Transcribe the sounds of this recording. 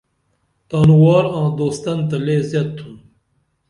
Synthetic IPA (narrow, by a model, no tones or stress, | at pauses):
t̪ɑːnuwɑːɾɑ̃ːd̪oːst̪ɐnt̪ɐleːzjɐt̪ʰːun